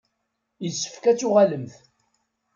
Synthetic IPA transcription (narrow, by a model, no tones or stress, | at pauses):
jəsːə̥fkæt͡sːʊʁaləmθ